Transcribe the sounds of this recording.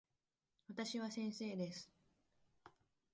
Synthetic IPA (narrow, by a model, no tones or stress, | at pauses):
βat̪aɕiβasẽ̞ɰ̃se̞ːd̪e̞sɨ̥